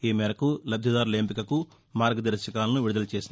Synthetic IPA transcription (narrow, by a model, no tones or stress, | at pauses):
iːmɛːɾɐkulɐb̪ʱjɐd̪aːɾuleːmpikɐku | maːɾɡɐd̪ɐɾʃɐkaːlɐnuʋiɽud̪ɐlɐt͡ʃe̞ːsind̪